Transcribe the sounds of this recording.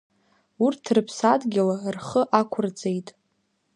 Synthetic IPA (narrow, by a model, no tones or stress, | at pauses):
urtʰrɨpʰsadɡʲɪlarχəʔakʷʰʊrd͡zʼejtʼ